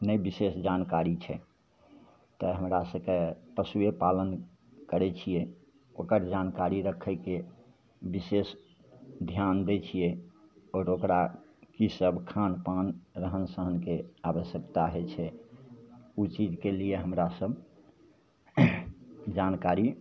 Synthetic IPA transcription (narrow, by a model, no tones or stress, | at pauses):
nəjbisesd͡ʒankaɾit͡ʃʰɛ | t̪əɦəmɾasəbkepəsuepalən | kəɾɛt͡ʃʰije | okəɾd͡ʒankaɾiɾəkʰəke | bises | d̪ʱjand̪et͡ʃʰijeɔɾokɾakisəbkʰanpanɾəɦənsəɦənkeabəsjəkt̪aɦɛt͡ʃʰɛ | ut͡ʃid͡ʒkelijeɦəmɾasəbʱ | d͡ʒankaɾi